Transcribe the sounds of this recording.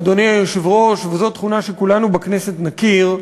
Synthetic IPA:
d̪oniajoʃivʁo̞ʃvezo̞t̪χunaʃekulanubaknese̞t̪nakiʁ

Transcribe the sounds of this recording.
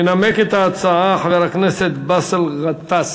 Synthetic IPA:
enameket̪aːt͡saaxaveɾakneset̪baselʁat̪fas

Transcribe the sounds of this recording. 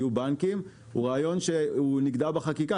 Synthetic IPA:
ubaŋkim | ṵʁaːjo̞nʃeuniɡdabeχakika

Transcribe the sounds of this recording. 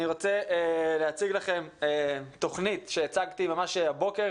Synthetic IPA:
niʁot͡seleat͡siɡlaχe̞met̪o̞χnit̪ʃeet͡saɡt̪imamaʃeabo̞keʁ

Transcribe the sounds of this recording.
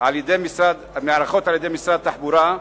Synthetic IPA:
ʕaljed̪ejmisɾad̪meaɾaχo̞t̪ʕaljed̪ejmisɾad̪̚t̪aħbuɾa

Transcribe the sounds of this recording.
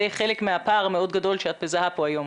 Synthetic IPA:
ejχe̞lekmeapaːʁmeo̞d̪ɡado̞lʃeat̪̚bezahapoajo̞m

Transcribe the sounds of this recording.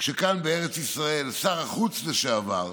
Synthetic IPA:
kʃekanbeeʁet͡sisʁaelsaʁaχut͡sleʃeava̰ʁ

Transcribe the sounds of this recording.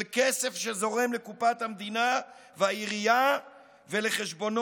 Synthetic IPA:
lkese̞fʃezo̞ʁe̞mlekupat̪hamd̪inaveaiʁija | veleχeʃbo̞n

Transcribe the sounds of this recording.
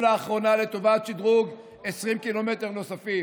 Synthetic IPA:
laːχʁo̞nale̞t̪o̞vatt͡ʃid̪ʁuɡ | e̞sʁimkilo̞me̞t̪e̞ʁno̞safi

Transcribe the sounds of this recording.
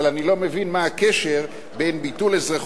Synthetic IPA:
alanilo̞mevinmaakeʃeʁ | bejnbitulezʁaχ

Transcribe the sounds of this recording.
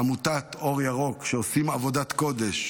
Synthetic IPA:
amut̪at̪o̞ʁjaʁo̞kʃeosimavo̞d̪at̪ko̞d̪e̞ʃ

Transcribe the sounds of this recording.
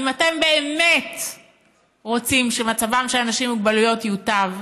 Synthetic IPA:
imate̞mbe̞eme̞t | ʁo̞t͡simʃemat͡savamʃelanaʃimuɡbalujo̞tjutav

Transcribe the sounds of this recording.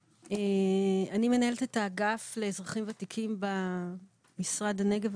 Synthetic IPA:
eanime̞nae̞lt̪etaɡafle̞zʁaχimvat̪ikʰimba | misʁad̪aneɡev

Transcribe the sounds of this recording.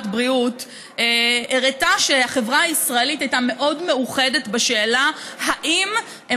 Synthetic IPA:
tbʁiut | eeʁetaʃeaχe̞vʁaaisʁae̞litajtame̞ʔo̞dme̞uχe̞de̞tbaʃe̞ːlahaʔim | e

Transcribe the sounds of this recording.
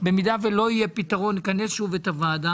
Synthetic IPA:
be̞mid̪ave̞lo̞ijepit̪aʁo̞nːikane̞sʃuvet̪avaːd̪a

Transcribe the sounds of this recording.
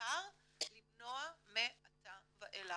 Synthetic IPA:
aʁ | libnoameat̪avaʔela

